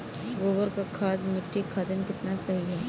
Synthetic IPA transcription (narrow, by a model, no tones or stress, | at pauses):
ʋoʋəɾkakʰaːd̪mʊʈʰːikʰaːd̪əmkɪt̪nasɐɦiɦɛ